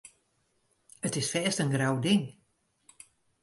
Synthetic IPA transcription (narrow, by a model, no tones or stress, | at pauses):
ətɪsfɛːstənɡrawdɪŋ